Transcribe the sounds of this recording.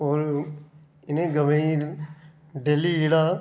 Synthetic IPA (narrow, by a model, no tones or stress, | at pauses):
ɔːɾ | ɪnẽɡəmei | ɖeːliːɪɽaː